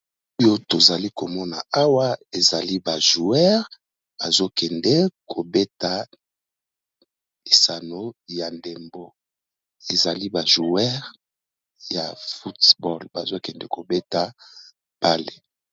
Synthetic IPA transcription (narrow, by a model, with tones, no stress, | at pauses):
o˦jo˦to˨za˨li˦ko˨mɔ˦na˨a˦wa˦e˨za˨li˦ba˨ʒu˨ɛ˦ʁ | b̥a˨zo˦kɛ˨ndɛ˦kʰo˨be˦ta˨ | e˨sa˨no˦ja˨nde˨mbo˦ | e˨za˨li˦ba˨ʒu˨ɛ˦ʁ | ja˨fu˦tbɔ˦lba˨zo˦kɛ˨ndɛ˦ko˨be˦ta˨ | ba˦le˨